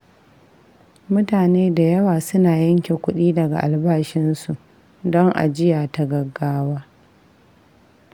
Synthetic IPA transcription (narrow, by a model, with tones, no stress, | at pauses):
mʊ˦taː˨neː˦da˨jɐ˦waː˨sʊ˦naː˨jɐ˦ŋkʲe˨kʷʊ˦ɗiː˦dɐ˨ɡa̰˨ʔa̰˨lbaː˦ʃɪ˦nsu˨ʔ | dɔ˦ŋʔa̰˨d͡ʒɪ˦jaː˨ta˦ɡɐ˨ɡːaː˦waː˦